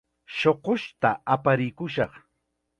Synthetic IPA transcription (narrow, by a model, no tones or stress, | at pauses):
ʃoqoʃt̪aapaɾɪkʊʃɑχ